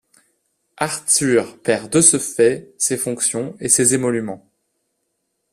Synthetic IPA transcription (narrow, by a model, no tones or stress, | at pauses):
aʁt̪yʁpɛʁd̪əsəfɛsefɔ̃ksjɔ̃esezemɔlymɑ̃